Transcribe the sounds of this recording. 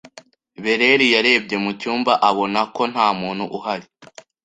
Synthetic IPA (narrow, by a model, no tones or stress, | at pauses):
βe̞ɾe̞ɾijaɾe̞ːb̚ɟe̞mucuːmbaʔaβo̞nako̞n̥haːmuːnhuʔuhaɾi